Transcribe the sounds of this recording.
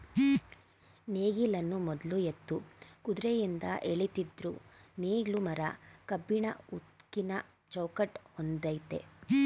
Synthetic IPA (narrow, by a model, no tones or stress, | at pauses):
neːɡilɐnːumɔd̪lujet̪ːukud̪ɾejind̪ɐ̰ʔeɭit̪id̪ɾuneːɡlumɐɾɐ̰kɐbːiɳɐ̰ut̪kinɐ | t͡ʃɐwkɐʈhond̪ɐjt̪e̞̰